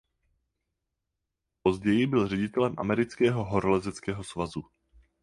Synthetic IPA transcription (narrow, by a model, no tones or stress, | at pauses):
po̞zɟɛjɪbɪlrɛɟɪt̪ɛlɛmʔa̰mɛɾɪt͡skɛːɦo̞ɦoɾolɛzɛt͡skɛːɦo̞svazu